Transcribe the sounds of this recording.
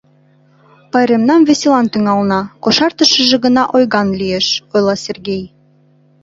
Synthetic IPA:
pɑjɾemnɑmβeselɑnt̪yŋɑlnɑkoʃɑrt̪əʃə̆ʒĕɣə̆nɑʔojɣɑnlʲieʃojlˠɑsʲerɣej

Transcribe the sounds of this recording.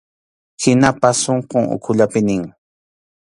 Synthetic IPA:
hɪnapasoɴqoŋʊ̰kʰʊʎapɪnɪŋ

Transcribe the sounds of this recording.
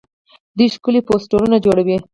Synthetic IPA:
d̪iʃkuliposʈoɾunad͡ʒoɽawi

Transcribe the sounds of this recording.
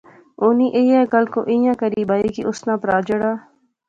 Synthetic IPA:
oːniʔeːjɛːkɐlko̰ːʔĩjãːkəɾiːbaːiːkiʔʊsnãːpɾaːd͡ʒəɽaː

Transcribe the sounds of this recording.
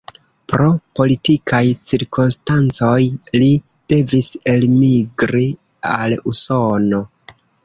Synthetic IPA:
pɾo̞po̞litikʰajt͡siɾkonstant͡so̞jli | d̥e̞vise̞lmiɡɾi | aluso̞no̞

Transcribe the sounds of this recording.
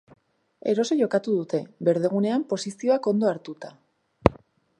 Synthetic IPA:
e̞̰ɾo̞soʝo̞kat̪uðut̪e̞βe̞ɾð̞e̞ɣ̞une̞ampo̞sisio̞ako̞nd̪o̞aɾt̪ut̪a

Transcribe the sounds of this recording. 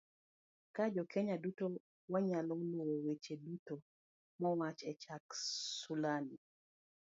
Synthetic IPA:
kad͡ʒɔkʰeɲaduto | waɲalɔŋlwowet͡ʃeduto | mɔwat͡ʃɛt͡ʃaksulani

